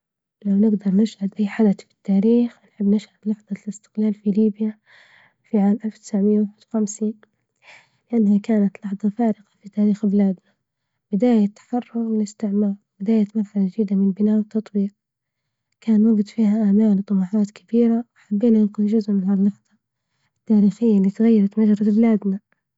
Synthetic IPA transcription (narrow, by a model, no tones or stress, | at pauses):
lawnɪɡd̪ɑɾˤnɪʃhad̪ʔajːħad̪aθfi̥t̪ːaːɾiːxnħɪbːnɪʃhad̪lɑħðˤɑlɪst̪ɪ̥qlaːlfiliːbja | fiʕaːmʔalft̪ɪ̥saʕmɪjːawaħɪd̥̪wxamsiːn | lɪʔanːhakaːnat̪lɑħðˤɑfaːɾɪqɑ̥fit̪aːɾiːxbɪlaːd̪na | b̥ɪd̪aːjat̪ːḁħɑrˤːʊɣmɪllɪst̪ɪʕmɑːɾˤbɪd̪aːjat̪maɾˤħalad̪iːd̪amɪnbɪnaːʔwɪt̪ːɑt̪ˤbiːq̚ | kʰaːnwaɡɪd̪fiːhaʔamaːlt̪ˤːɑmɑːħɑːt̪kʰabiːɾawħabːiːnaɪnqʊðʒʊzʔmʕalalːɑħðˤɑ | ɪt̪ːaːɾiːxɪjːaliːt̪ɣajːɑɾˤɑt̪mad͡ʒɾˤɑblaːd̪na